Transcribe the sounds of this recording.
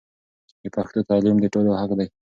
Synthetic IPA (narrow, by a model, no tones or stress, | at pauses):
d̪əpaxt̪ot̪ɑlimd̪əʈolohaqd̪aj